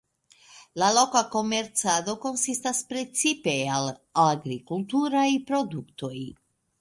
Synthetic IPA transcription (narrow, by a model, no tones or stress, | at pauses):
lalo̞kako̞me̞ɾt͡sado̞ko̞nsistaspɾe̞t͡sipe̞alaɡɾikultuɾajpɾo̞dukto̞j